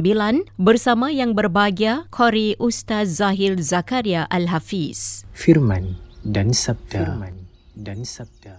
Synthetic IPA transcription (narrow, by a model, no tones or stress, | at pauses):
bilanbərsamãjaŋbərbaɡiakʰoɾiʔust̪at̪̚zaɦilzakaɾiaʔalɦafisfirmandansab̚damn | dansab̚a